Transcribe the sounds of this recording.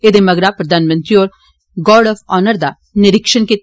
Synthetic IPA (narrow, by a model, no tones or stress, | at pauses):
eːd̪eːməɡɾaːpɾəd̪aːnmə̃nt̪ɾioːɾ | ɡɔːɖɔfʰɔːnəɾd̪aː | nɪɾɪkʃənke